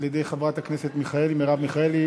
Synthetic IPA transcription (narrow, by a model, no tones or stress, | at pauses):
ljed̪ejχavʁat̪akneset̪miχae̞limeʁavmiχaeli